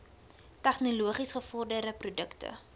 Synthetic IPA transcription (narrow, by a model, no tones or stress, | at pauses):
tæχnoluəχisχəfɔrdəɾəprudəktə̰